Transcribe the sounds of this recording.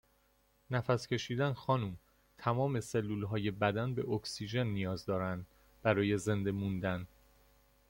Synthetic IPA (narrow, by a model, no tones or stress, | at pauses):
næfæscʲʰe̞ʃiːd̪ænxɒːnuːm | t̪ʰæmɒːme̞se̞lːuːlɦɒːje̞bæd̪ænbe̞ʔokʰsid͡ʒe̞nːijɒːzd̪ɒːɾænd̪ | b̥æɾɒːje̞ze̞nd̪e̞mund̪æn